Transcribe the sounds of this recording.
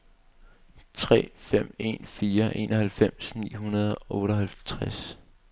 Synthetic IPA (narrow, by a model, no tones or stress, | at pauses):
t͡sʰʁɛ̰ːfem̰e̝̰ːnfiːɐʔe̝̰ːnʔɒhælfem̰snḭːɦunɐð̞ˠʔɔ̽ːɾɐɦælt͡sʰʁas